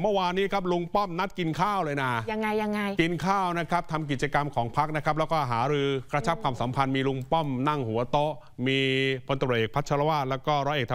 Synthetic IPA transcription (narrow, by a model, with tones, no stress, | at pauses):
mɯ˥˩waː˧nːiː˦˥kʰa˦˥p̬̚lu˧ŋpɔ˥˩mna˦˥t̪̚ki˧nkʰaː˥˩wlɤː˧jnaː˧˩ja˧ŋːa˧jːa˧ŋa˧jki˧nkʰaː˥˩wna˦˥kʰa˦˥p̚t̪ʰa˧mk̬i˨˩t̪̚t͡ɕa˧ka˧mkʰɔː˩˦ŋpʰa˦˥k̚na˦˥kʰa˦˥p̚lːɛ˦˥wkɔː˥˩ɦaː˩˦ɾɯː˧kɾa˧t͡ɕʰa˦˥p̚kʰwaː˧msa˩˦mpʰa˧nmiː˧lu˧ŋpɔ˥˩mna˥˩ŋhu˩˦ɐt̪o˦˥ʔ | miː˧pʰo˧nt̪ʔeː˨˩k̚pʰa˦˥t̪̚t͡ɕʰa˧ɾa˧waː˥˩t̪̚lɛː˦˥wkɔː˥˩ɾɔː˧ʔeː˨˩t̪ʰ